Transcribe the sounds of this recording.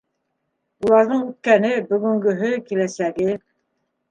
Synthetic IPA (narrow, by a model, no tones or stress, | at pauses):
ulˠɑɾðɤɴʉt̪̚kænɘbɵ̆ɡɵ̆ŋɡɵ̆ɦɵkilæsæɡɘ